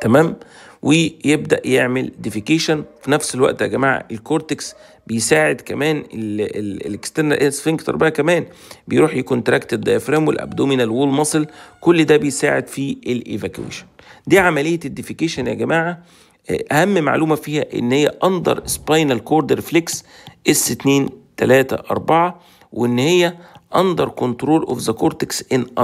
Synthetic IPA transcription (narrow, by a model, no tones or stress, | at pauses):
t̪æmæːmwʔejeb̚d̪æ̰ʔjeʕmeld̪efikeːʃænfinæfselwæ̰ʔt̪ʔæ̰ɡæmaːʕa̰ʔelkoɾt̪eks | bejsaːʕed̪kæmæːn | kst̪end̪ʔesfiŋɡt̪ʔɑ̰ɾˤbɪʕakæmæːn | bejɾuːħjakuːnt̪ɾækt̪ebd̪ɑjfɾæːmwḛlʔæ̰bd̪oːminalwuːlmɑsˤlkʊlːd̪æːbejsaːʕed̪fiʔelʔḛvækṵḛːʃæ̥nd̪iːʕamælejːæd̪ːefikeːʃænjæ̰ɡæmaːʕa | ʔæhæmːma̰ʕluːmæfiːhæʔḛnːhejːæ̰ʔɑnd̪ˤɑ̰ɾˤespɑjnælkoɾd̪eɾfleksʔesːet̪neːnt̪ælæːt̪æ̰ʔɑ̰ɾˤbɑʕɑ | wʔeʔenːhejːæʔɑnd̪ˤɑɾˤkont̪ɾoːlʔo̰fzækoɾt̪eksʔenʔ